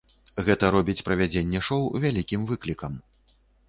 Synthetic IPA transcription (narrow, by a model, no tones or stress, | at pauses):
ɣɛt̪ɐɾɔbʲit͡sʲpɾɐvʲad͡zʲenʲːɛʂɔwvʲalʲikʲimvɨklʲikɐm